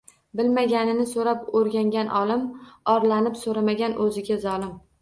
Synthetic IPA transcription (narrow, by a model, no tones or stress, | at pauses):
bɪlmaɡʲanɪnɪsoɾapoɾɡʲaŋɡʲanʔɒlɪmɒɾlanɪpsoɾamaɡʲanʔɵzɪɡʲazɒlɪm